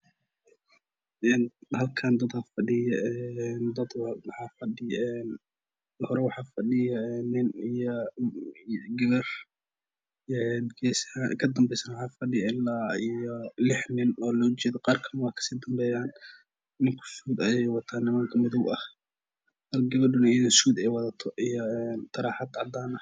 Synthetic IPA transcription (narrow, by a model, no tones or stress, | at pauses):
ʔɛːnhɐlkʰaːnd̪ɐd̪hɐfɐɗɪjɐɛnd̪ɐd̪wħɑːfɐɗɪjɛːn | hɔɾɛwɑħɑːfɐɗɪjɐɛːnɪnijɔ | ɡɪβɛr | ɛɡɛsakʰɐd̪ɐmbɛjsɐnwħɑːfɐɗɪjɐɪlaːijɔlɪħnɪnɔːlɔːt͡ʃɛːðɔqɑːrkʰɐmwɑkʰɐ̥siːd̪ɐmbɛːjaːn | nɪŋkʰʊ̥suːd̪ɐjɛjwɑt̪ʰaːnːɪmaːŋkʰɐmɪðɔwɐh | hɐlɡɐβɐɖʊnɐjðɪnsuːd̪ɛjwɐðɐt̪ʰɔʔijɔɛːnt̪ʰɐɾaːħɑd̪ʕɑd̪aːnɐ